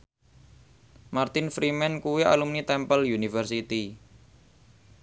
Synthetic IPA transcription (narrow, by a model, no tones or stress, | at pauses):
mart̪ɪnfɾimɛnkuwia̰lumnit̪ɛmpəljunifərsit̪i